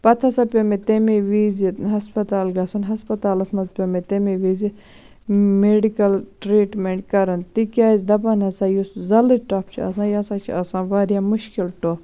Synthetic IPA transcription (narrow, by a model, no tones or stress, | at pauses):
pɐt̪ʰɐsãːpʲomet̪emeʋiːziɦɐspɐt̪aːlɡɐsunɦɐspɐt̪aːlɐsmɐzpʲomet̪emeːʋiːzi | meːɖikɐlʈɾiːʈmeɳʈ̚kɐɾɐnt̪ikʲaːzʲd̪ɐbɐnɐsãːjuszɐlɨʈɐp̚t͡ʃʰḭɐ̰sãːjɐsãːt͡ʃʰḭɐsãːʋaːɾjaːmʊʃkilʈo